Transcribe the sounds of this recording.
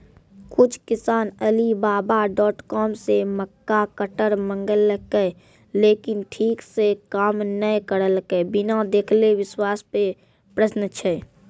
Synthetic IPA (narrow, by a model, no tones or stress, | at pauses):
kʊt͡ʃʰkɪsaːnəlibaːbaɖɔːʈkɔːmseməkːakəʈəɾmə̃ŋɡələkə | leːkɪnʈʰiːksekaːmnəjkəɾəlkəbɪnad̪eːkʰleʋɪswaːspe | pɾəʃnət͡ʃʰɛ